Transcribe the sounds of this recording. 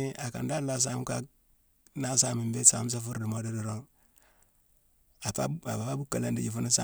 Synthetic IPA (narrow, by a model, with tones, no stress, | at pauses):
i˦a˨ka̰˨nda˦la˦s̬a˦m˦ka˦k̚ | na˦sa˦mi˨mbe˦sa̰˨˦m˦s̬a˦fu˦ɾdi˨mo˦di˦di˨ɾo˦ŋ | a˨pa˦a˨ba˨ba˦bu˦kːa˨la˦ndi˨ɟi˨fu˦n˦sa̰˦